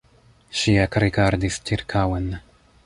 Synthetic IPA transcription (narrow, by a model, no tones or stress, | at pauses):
ʃiakɾikaɾd̪ist͡ʃiɾkʰawɛn